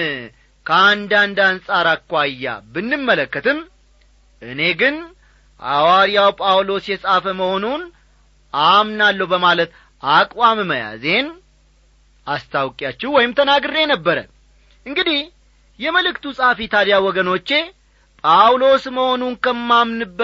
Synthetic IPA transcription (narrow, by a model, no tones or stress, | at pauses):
kʰəand̪and̪ansʼaɾakːʷajːa̰bɨnːɨmːələkːət̪ʰɨm | ʔɨne̞ɡɨn | ʔa̰waɾijawpʼawlo̞sjɛsʼafəməho̞nun | ʔamnalːəwbəmalət̪ | akʼwamməja̰ze̞n | ʔast̪ʰawkʼjat͡ʃːɛwɔjɪmt̪ʰənaɡɨɾe̞nəbːəɾə̰ | ʔɨŋɡɨd̪ih | jɛməlɨkt̪ʰusʼahfit̪ʰad̪jawɔɡəno̞t͡ʃːe̞ | pʼawlo̞sməho̞nunkʰəmːamnɨbː